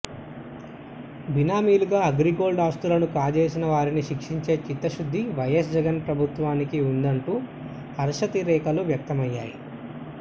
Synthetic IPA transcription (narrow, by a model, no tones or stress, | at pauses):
binaːmiːluɡaːɐɡɾiɡo̞ːɭɖaːst̪ulɐnukaːd͡ʒeːsinɐʋaːɾiniʃikʂiɲt͡ʃe̞ːt͡ʃit̪ːɐʃud̪ʱːiʋɐjɐs̬d͡ʒɛɡɐnpɾɐbʱut̪ʋaːnikiund̪ɐɳʈuː | ɐɾʃɐt̪iɾɛːkɐluʋjɐk̚t̪ɐmɐjːaːji